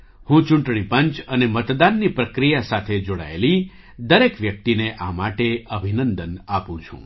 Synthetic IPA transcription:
hũt͡ʃũɳʈɳ̃ipəɲt͡ʃənemət̪d̪anːipɾəkɾijasat̪ʰed͡ʒoɽa̰ḛli | d̪əɾekʋjək̚t̪ineʔamaʈeəbʱinənd̪ənapũt͡ʃʰṵ̃

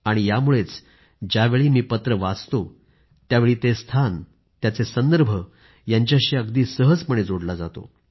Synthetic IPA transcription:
aɽ̃ijamuɭet͡s | d͡ʑaʋeɭiːmiːpət̪ɾəʋad͡zt̪o | t̪jaʋeɭiːt̪est̪ʰan | t̪jat͡sesənd̪əɾbʱə | jaɲt͡ɕjaɕiːəɡd̪iːsəɦəd͡zpəɳ̃ed͡zoɽlad͡zat̪o̰

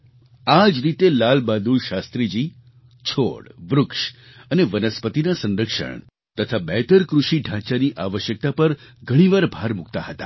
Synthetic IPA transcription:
ad͡ʒɾit̪elalbad̪ulʃast̪ɾid͡ʒi | t͡ʃʰo̰ɽʋɾʊkʃ | əneʋənəspət̪inasə̃nɾəkʂə̰ɳ | t̪ət̪ʰabɛt̪əɾkɾuʃiɖʱãt͡ʃaniʔaʋəʃjək̚t̪apəɾɡʱəɽ̃iʋaɾbʱaɾmukt̪a̰hət̪a̰

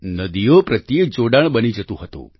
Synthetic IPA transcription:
nəd̪ijopɾət̪jek̚d͡ʒoɖaɳ̃bənid͡ʒət̪ũɦət̪ṵ̃

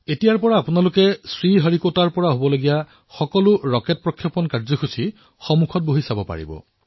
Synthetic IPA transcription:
etijaɹpɔɹaːpunalʊkɛsɹiɦaɹikotaɹpɔɹaɦobɔloɡija | xɔkɔlʊɹɔket̚pɹɔkʰjɔpɔnkaɹzɔxʰusi | xɔmukʰɔt̚boɦisabɔpa̰ɹḭbɔ̰

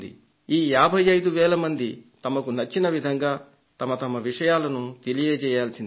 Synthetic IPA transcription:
d̪ḭ | iːjaːbʱɐjːɐjd̪uʋɛːlɐmɐnd̪it̪ɐmɐkunɐt͡ʃːinɐʋid̪ʱɐŋɡaː | t̪ɐmɐt̪ɐmɐʋiʂɐjaːlɐnut̪elijeːt͡ʃɛːjaːlsind̪

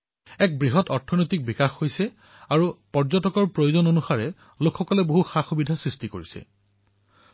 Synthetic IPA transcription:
ɛk̚bɹiɦɔtɔɹtʰːɔnojtik̚bikaxhojsɛ | aɹupɔɹzɔtɔkɔɹpɹojozɔnonusaɹɛ | lokxɔkɔlɛboɦuxaxubidʱasɹistikoɹisɛ̰

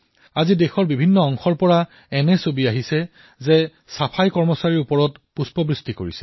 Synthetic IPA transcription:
azidexɔɹbibʱinːɔɔŋxɔɹpɔɹa | ɛnɛsobiaɦisɛ | zɛ | sapʰajkɔɹmɔsaɹiɹupɔɹɔtpuspɔbɹistiko̰ɹisɛ̥

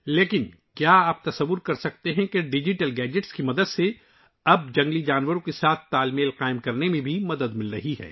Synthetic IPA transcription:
leːkɪn | kjaaːp̚t̪ɐsɐʋːʊɾkɐɾsɐk̚t̪eɦɛ̃keɖɪd͡ʒɪʈəlɡɛːd͡ʒɪʈskimɐd̪əd̪se | ɐb̚d͡ʒɐ̃ŋɡlid͡ʒaːnʋəɾõkesaːt̪ʰt̪aːlmeːlqaːɪmkɐɾnemẽbʱimɐd̪əd̪mɪlɾɐ̰ɦiɦɛ̰ː

